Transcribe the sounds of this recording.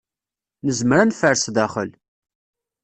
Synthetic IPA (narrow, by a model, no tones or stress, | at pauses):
nəzmɾænfəɾsðæχə̰l